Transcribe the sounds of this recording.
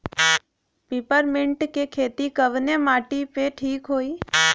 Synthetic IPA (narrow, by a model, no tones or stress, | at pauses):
pipəɾmɪɳʈkekʰet̪ikəʋnemaʈipeʈʰiːkɦoːi